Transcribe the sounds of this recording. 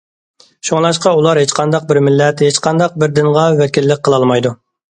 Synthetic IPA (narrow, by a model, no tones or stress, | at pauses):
ʃuŋlˠɑʃqɑulˠɑɾhet͡ʃqʰɑnd̪ɑq̚bɪɾmɪlːɛt̪het͡ʃqɑnd̪ɑq̚bɪɾd̪ɪŋʁɑwɛkʲilːɪk̚ʲqʰːəlˠɑlˠmɑjd̪u